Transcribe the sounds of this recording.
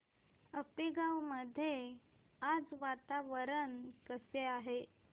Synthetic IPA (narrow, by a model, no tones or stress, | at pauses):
əpiɡawməd̪ʱːje | ad͡zʋat̪aʋəɾənkəseaɦe